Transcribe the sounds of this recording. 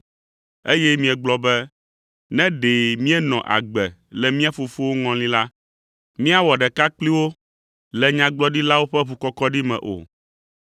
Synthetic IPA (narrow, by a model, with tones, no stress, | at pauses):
e˦jɛ˦mĩ˨ɛ˨ɡ͡blɔ˨bɛ˦ | nɛ̃˦ɖe˨mĩ˦ɛ˦nɔ̰̃˨ʔa̰˨ɡ͡bɛ˨lɛ˨mĩ˦a˦fu˨fu˦wo˦ŋɔ̃˨lĩ˦la˦ | mĩ˦a˦wɔ˨ɖɛ˨ka˦k͡pli˦wo˦ | lɛ˨ɲã˨ɡ͡blɔ˦ɖi˦la˦wo˦ɸɛ˦βu˨kɔ˦kɔ˦ɖi˦mɛ̰̃˨ʔo̰˨